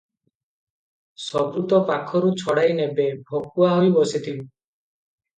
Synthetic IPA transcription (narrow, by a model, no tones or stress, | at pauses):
sɔbɾut̪ɔpakʰɔɾut͡ʃʰɔɽajnebebʱɔk̚uaɦɔjbɔsit̪ʰib